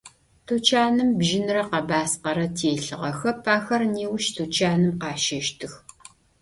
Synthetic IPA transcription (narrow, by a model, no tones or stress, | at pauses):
tʰut͡ʃʰaːnɨmbʒɪnrɐqɐbaːsqɐɾɐtʰeːɬɨʁɐxɐpʰaːxɐrneːwʃtʰuːt͡ʃʰaːnɨmqɑːʃɐʃtʰɨx